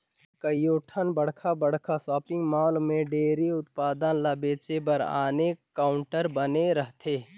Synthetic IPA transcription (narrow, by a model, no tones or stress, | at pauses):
kəjoːʈʰənbəɽ̤kʰabəɽ̤kʰasɔːpɪ̃ŋɡmaːlmẽɖeːɾiʊt̪̚paːd̪ənlabeːt͡ʃebəɾa̰ːnekaːʊɳʈəɾbəneɾəɦt̪ʰeː